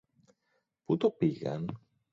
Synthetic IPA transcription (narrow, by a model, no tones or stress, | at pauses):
put̪o̞piɣɐ̰n